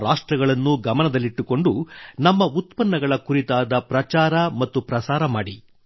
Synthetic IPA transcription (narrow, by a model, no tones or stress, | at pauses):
ɾaːʂʈɾɐɡɐɭɐnːuɡɐmɐnɐd̪ɐlːiʈːuko̞ɳɖunɐmːɐut̪pɐnːɐɡɐɭɐkuɾit̪aːd̪ɐpɾɐt͡ʃaːɾɐmɐt̪ːupɾɐsaːɾɐmaːɽi